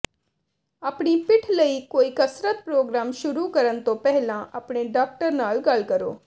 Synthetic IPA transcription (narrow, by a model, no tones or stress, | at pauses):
aːpɽ̃ipɪʈʰləiːkoːiːkəsɾət̪̚pɾoːɡɾaːmʃʊɾukəɾənt̪õpɛɦlãʔəpɽeɖaːk̚ʈəɾnaːlɡɐlkəɾo̰ː